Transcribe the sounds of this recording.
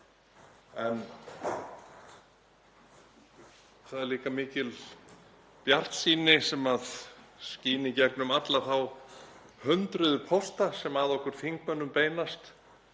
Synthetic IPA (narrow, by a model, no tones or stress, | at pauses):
ɛn | θaðɛɾliːkamɪːcɪl | pjar̥t̪siːnɪsɛmaðsciːnɪcɛknʏmat̪laθaw | hʏnt̪ɾʏðʏpʰɔwst̪asɛmaːðɔhkʏɾ̥θiŋkmœnːʏmpeːjnast̪